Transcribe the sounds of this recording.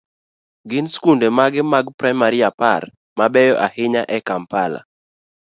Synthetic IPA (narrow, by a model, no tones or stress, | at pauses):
ɡɪnskundɛmaɡɪmaɡpɾajmaɾiapar | mabɛjɔʔahɪɲaʔɛkampala̰